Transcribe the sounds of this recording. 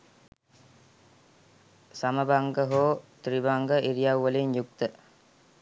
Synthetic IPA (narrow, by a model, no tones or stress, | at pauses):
saməbaŋɡəɦoːt̪ɾibaŋɡəʔiɾijawʋəlinjukt̪ə